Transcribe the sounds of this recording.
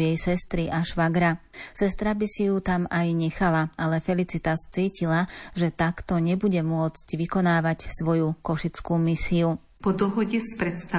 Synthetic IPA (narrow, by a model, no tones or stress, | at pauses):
jɛjsɛst̪ɾiʔaʃʋaɡɾasɛst̪ɾabisijut̪amajɲɛxalaalɛfɛlit͡sit̪ast͡siːcilaʒɛt̪akt̪ɔɲɛbuɟɛmʊɔt͡scʋikɔnaːʋacsʋɔjukɔʃit͡skuːmisiu | pɔd̪ɔɦɔɟɛspɾɛt̪st̪a